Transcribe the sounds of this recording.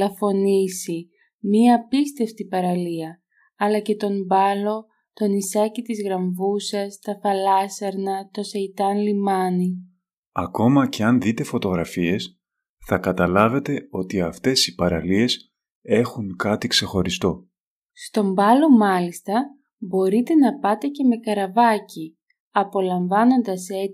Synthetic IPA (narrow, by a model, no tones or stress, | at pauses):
lɐfo̞nisi | miɐːpist̪e̞ft̪ipɐɾɐliɐ | ɐlɐce̞t̪o̞mbɐlo̞ | t̪o̞nisɐcit̪izɣɾɐɱvusɐst̪ɐfɐlɐsɐɾnɐt̪o̞seit̪ɐnlimɐni | ɐko̞mɐce̞ɐnðit̪e̞fo̞t̪o̞ɣɾɐfie̞s | θɐkɐt̪ɐlɐve̞t̪e̞o̞t̪iɐft̪e̞sipɐɾɐ̰lie̞s | e̞xuŋkɐt̪ikse̞xo̞ɾist̪o̞ | st̪o̞mbɐlo̞mɐlist̪ɐ | bo̞ɾit̪e̞nɐpɐt̪e̞ce̞me̞kɐɾɐvɐci | ɐpo̞lɐɱvɐno̞nd̪ɐse̞